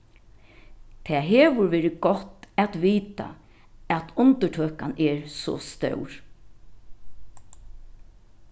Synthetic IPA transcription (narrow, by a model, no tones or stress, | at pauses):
t̪ʰɛːɦeɛːʋʊɾʋeːɾɪɡ̥ɔt̪ɛt̪ʋiːt̪a̰ | ɛt̪ʊnt̪əʈʰøːkanɛɹsɔ̰st̪œ̰wɹ